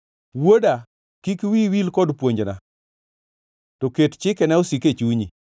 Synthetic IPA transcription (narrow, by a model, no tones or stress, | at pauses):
woda | kikwiwilkɔdpwoɲd͡ʒna | tokett͡ʃɪkɛnɛosiket͡ʃuɲi